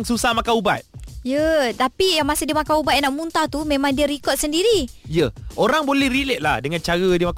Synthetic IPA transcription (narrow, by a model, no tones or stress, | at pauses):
ŋsusahmakauba̰t̪̚jət̪apijaŋmasədiəmakaubat̪̚naʔmunt̪at̪umẽmãŋdiəɾikɔt̪̚səndiɾijəʔoɾaŋbolɛhɾilɛt̪̚lahdəŋãnt͡ʃaɾədiəmak